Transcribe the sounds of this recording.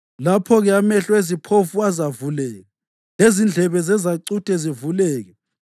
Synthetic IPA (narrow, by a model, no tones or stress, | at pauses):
lapʰɔɣɛamɛɬɔezipʰofuazavulɛːɣɛ | lezind͡ɮʱɛβɛzɛzaǀutʼɛzivulɛːɣɛ